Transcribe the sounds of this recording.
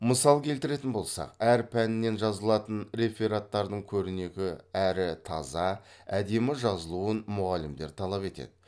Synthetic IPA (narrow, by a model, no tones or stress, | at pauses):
məsɑlˠkʲʰe̞lt̪ɪɾe̞t̪ɪnbo̞lˠsɑ̰qæɾpʰænɪnːe̞nʒɑzəlˠɑt̪ənɾe̞feɾat̪ːɑɾd̪əɴkʲʰɵɾɪne̞kʲɪæɾɪt̪ʰɑ̰zɑ | æd̪e̞mɪʒɑzəlˠuwənmʊʁɑlːɪmd̪e̞̰ɾt̪ʰɑlˠɑpe̞t̪ḛd̪̥ɪ